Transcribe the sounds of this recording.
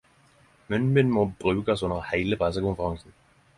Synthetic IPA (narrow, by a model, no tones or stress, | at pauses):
mʏnbɪnmob̥ʁʉːkəsʊnəʁhæɪləpʰʁɛs̬əkʊnfəʁɑŋsn̩